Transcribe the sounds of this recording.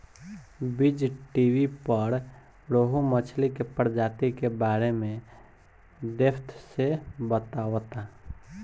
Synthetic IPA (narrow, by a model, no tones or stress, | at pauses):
bid͡ʒʈiwipəɾ | ɾoɦumət͡ʃʰlikepəɾd͡ʒat̪ikebaɾemẽ | d̪epʰt̪ʰsebət̪aʋt̪a